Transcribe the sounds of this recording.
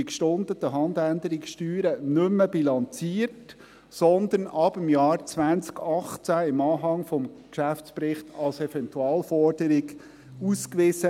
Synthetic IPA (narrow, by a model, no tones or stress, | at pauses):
ikʃtʊnd̪ət̪əɦɑnd̪ænd̪əɾɪksʃtyːɾənɵmːəbilɑnt͡siːərt | sɔnd̪ənɑbɪmjɑːɾt͡svænt͡skɑχt͡sæɪmɑːɦɑŋfɔmkʃæft͡spɾɪχt̪ʰɑlsɛvɛntuɑːlfɔɾd̥əɾɪɡ | uskʋɪsə